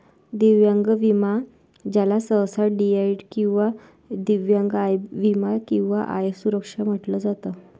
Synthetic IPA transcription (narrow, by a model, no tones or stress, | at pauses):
d̪iʋjãŋɡʋima | d͡ʑalasəwsaɖiaiɖkĩw̃ʋa | d̪iʋjãŋɡajʋimakĩw̃ʋaʔa̰jesuɾəkʂam̤əʈləd͡zat̪ə